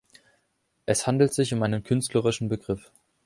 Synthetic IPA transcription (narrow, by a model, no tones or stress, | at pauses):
ʔɛshandl̩tz̥ɪçʊmʔaɪnənkʰʏnstʰləʁɪʃn̩bəɡʁɪf